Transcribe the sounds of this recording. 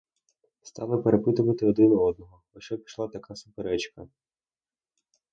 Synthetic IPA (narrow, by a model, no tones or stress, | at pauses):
st̪ɑlˠɪpeɾepɪt̪ʊʋɐt̪ɪɔd̪ɪnɔɔd̪nɔɦɔ | ɐʃɔpʲi̥ʃlˠat̪ɐkasʊpeɾɛt͡ʃkɐ